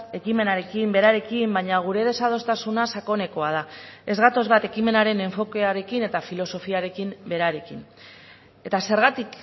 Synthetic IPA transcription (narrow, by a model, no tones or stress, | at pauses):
e̞kime̞naɾe̞kimbe̞ɾaɾe̞kimbajɲaɣ̞uɾe̞ð̞e̞sað̞o̞st̪asunasako̞ne̞ko̞að̞ae̞zɣat̪o̞zβat̪e̞kime̞naɾe̞ne̞ɱfo̞ke̞aɾe̞kine̞t̪afilo̞so̞fiaɾe̞kimbe̞ɾaɾe̞kin | e̞t̪ase̞ɾɣ̞at̪ik